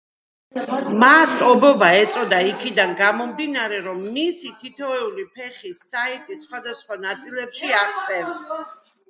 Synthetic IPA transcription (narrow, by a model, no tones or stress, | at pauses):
masɔbɔbaɛt̪sʼɔd̪aikʰid̪anɡamɔmd̪inaɾɛɾɔmːisit̪ʰit̪ʰɔɛulipʰɛχisait̪ʼisχwad̪asχwanat̪sʼilɛpʃiaʁt̪sʼɛɾs